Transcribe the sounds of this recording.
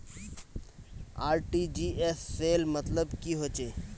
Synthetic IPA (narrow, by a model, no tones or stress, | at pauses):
aːɾʈiːd͡ʒiːesːeːlmət̪ləbkiɦoːt͡ʃeː